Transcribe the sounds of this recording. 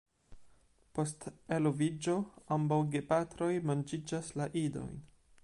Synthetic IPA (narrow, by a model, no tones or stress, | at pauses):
po̞ste̞lovid͡ʒo̞ambawɡe̞patɾo̞jmand͡ʒid͡ʒaslaʔido̞̰jn